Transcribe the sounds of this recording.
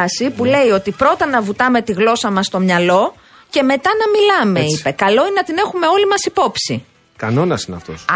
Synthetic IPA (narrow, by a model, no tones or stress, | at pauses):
sipule̞io̞t̪ipɾo̞t̪ɐnɐvut̪ɐme̞t̪iɣlo̞sɐmɐst̪o̞mɲɐlo̞ | ce̞me̞t̪ɐnɐmilɐme̞ipe̞kɐlo̞inenɐt̪ine̞xume̞o̞limɐsipo̞psḭ | kɐno̞nɐsineɐ̰ft̪o̰s